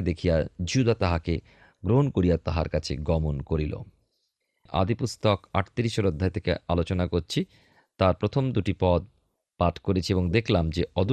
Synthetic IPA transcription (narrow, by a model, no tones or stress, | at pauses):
ed̪ekʰijad͡ʑud̪at̪aɦake | ɡɾoɦonkoɾijat̪aɦa̰ɾkat͡ɕʰḛɡɔmonkoɾilo̰ | ʔa̰d̪ipust̪ɔka̰ʈt̪iɾiʃoɾod̪ʱːaejt̪ʰekḛalot͡ɕonakoɾt͡ɕʰi | t̪aɾpɾot̪ʰomd̪uʈipɔd̪̚ | paʈʰkoɾet͡ɕʰieboŋd̪ekʰlamd͡ʑeɔd̪ʱu